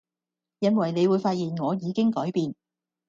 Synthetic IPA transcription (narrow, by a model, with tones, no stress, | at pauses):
jɐ˥nwɐ˨˩jne˨˧jwuː˨˧jfaː˧t̚jiː˨˩nŋɔː˨˧jiː˨˧kɪ˥ŋkɔː˨˥jpiː˨n